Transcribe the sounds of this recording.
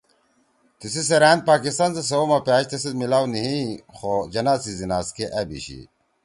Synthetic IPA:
t̪isis̬eɾaːnd̪̚paːkist̪aːns̬es̬ɐwomɐpjaːɕt̪ɐsid̪milaːwniɦĩxod͡ʑɐnaːsizinaːskeʔɐbḭɕḭ

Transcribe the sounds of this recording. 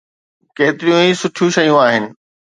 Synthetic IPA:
keːt̪ɪɾijũisʊʈʰijũʃɐjũaːɦɪnɪ̆

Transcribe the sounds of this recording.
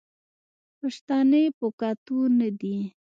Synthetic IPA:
paʂt̪anəjpəkat̪unad̪i

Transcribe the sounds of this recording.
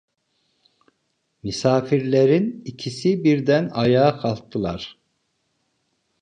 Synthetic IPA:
mysaːfiɾlʲeɾinicʰisibiɾd̪ænajaːkʰalˠt̪ʰːɯlˠaɾ̥

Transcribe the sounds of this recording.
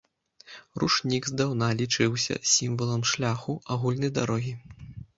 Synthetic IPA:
ruʂnʲiɡzd̪awnalʲit͡ʂɨwsʲɐ̰sʲimvɐlˠɐmʂlʲaxuaɣulʲnɐjd̪aɾɔɣʲi

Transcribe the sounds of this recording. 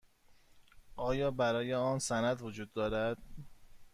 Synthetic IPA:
ʔɒːjɒːbæɾɒːjeɒːnsænæd̪vod͡ʒuːd̪ːɒːɾæd̪̥

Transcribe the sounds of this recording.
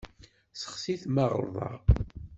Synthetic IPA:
sə̥χsiθmæʁə̰lðˤɑ̰ʁ

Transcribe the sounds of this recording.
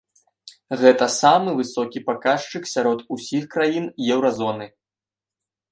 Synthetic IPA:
ɣɛt̪ɐsamɨvɨsɔkʲipakaʂt͡ʂɨksʲaɾɔt̪usʲixkɾajinjɛwɾɐzɔnɨ

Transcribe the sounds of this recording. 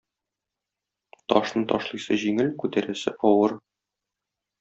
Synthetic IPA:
t̪ɒʃnɤt̪ɒʃlˠɤ̆jsɤʑiŋɘlkʉt̪æɾæsɘʔɒwɤɾ

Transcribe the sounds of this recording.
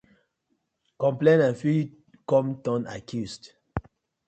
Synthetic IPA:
kɔ̃mplẽnãnfi | kɔ̃mtɔ̃na̰kʰjusd

